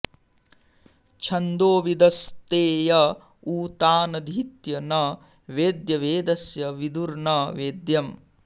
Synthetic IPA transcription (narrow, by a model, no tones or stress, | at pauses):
t͡ʃʰɐnd̪oːʋid̪ɐst̪eːjɐ | uːt̪aːnɐd̪ʱit̪jɐnɐ | ʋeːd̪jɐʋeːd̪ɐsjɐʋid̪uɾnɐʋeːd̪jɐm